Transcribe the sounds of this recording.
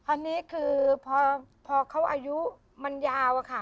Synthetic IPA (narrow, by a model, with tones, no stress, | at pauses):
ʔa˧nːiː˦˥kʰɯː˧pʰɔː˧pʰɔː˧kʰa˦˥˩wʔa̰˧ju˦˥ | ma˧njaː˧wʔa˧kʰa˧˥˩